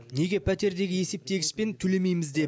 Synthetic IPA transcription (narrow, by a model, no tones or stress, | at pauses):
ne̞ɡʲe̞pʰæt̪e̞ɾd̪e̞ɡʲɪje̞se̞p̚t̪e̞ɡʲɪ̥spe̞nt̪ʰɵle̞me̞jmɪzd̪e̞